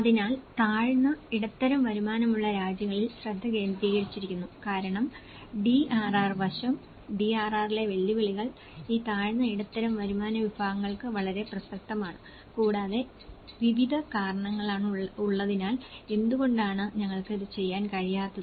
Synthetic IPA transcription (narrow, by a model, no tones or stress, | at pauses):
ɐðinaːlt̪aːɻnːɐiɽɐt̪ːɐɾɐmʋɐɾumaːnɐmuɭːɐɾaːd͡ʑjɐŋːɐɭilsrɐd̪ʱːɐke̞ːnd̪ɾiːɣɐɻit͡ɕːiɾikʲːunːukaːɾɐɳɐm | ɖiʔaːraːrʋɐɕɐm | ɖiaːraːrile̞ʋɐɭːiʋiɭiɣɐɭ | iːt̪aːɻnːɐiɽɐt̪ːɐɾɐmʋɐɾumaːnɐʋibʱaːɣɐŋːɐɭkɨʋɐɭɐɾe̞prɐsɐk̚t̪ɐmaːɳɨ | kuːɽaːðe̞ | ʋiʋid̪ʱɐkaːɾɐɳɐŋːɐɭaːɳuɭːɐðinaːle̞nd̪uɣo̞ɳɖaːɳɨɲɐŋːɐɭkiðɨt͡ɕe̞jːaːnkɐɻijaːt̪ːɐðɨ